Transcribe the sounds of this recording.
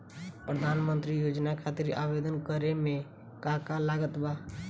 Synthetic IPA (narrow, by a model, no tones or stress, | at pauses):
pɾəd̪ʱaːnmə̃nt̪ɾijod͡ʒnakʰat̪ɪɾa̰bed̪ənkəɾemẽ | kakalaɡət̪ba